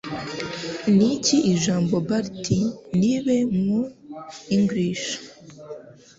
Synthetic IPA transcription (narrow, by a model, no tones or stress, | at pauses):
niciʔiʒaːmbo̞baɾtiniβemuiŋɡɾiʃḁ